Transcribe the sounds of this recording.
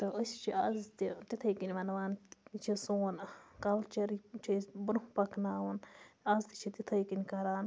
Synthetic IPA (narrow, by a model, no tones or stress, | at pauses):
t̪ɨəsʲt͡ʃʰiɐzt̪it̪it̪ʰɐjkinʲʋɐnʋaːnt͡ʃʰisoːnkɐlt͡ʃɐɾit͡ʃʰisbɾupɐknaːwɐnɐzt̪it͡ʃʰit̪it̪ʰɐjkinʲkɐɾaːn